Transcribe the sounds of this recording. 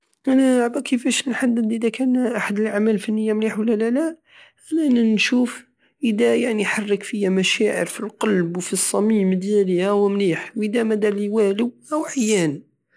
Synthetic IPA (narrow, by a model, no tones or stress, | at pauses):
ʔænæʕbækʰəfæʃnħad̪ːəd̪ʔəd̪ækænʔaħad̪əlʔaʕmælfænːəjːamliħwəlːælælæ | ʔænænænʃuf | ʔəd̪æjaʕniħɑrˤːəkfəjamæʃæʕə̰ɾfilqɑlbwfisˤːɑmimd̪jælæwəmliːħwʔəd̪æmæd̪æliwæləwʔæwʕajæn